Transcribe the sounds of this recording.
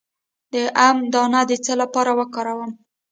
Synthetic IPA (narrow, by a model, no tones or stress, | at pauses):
d̪əʔamd̪ɑnad̪ət͡səlapɑɾawəkɑɾawəm